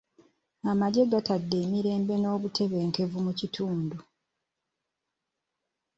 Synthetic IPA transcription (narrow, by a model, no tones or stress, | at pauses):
amaɟe̞ɡatadːe̞ːmiɾe̞ːmbe̞no̞ːβutʰe̞βe̞ːŋke̞vumucitʰuːndu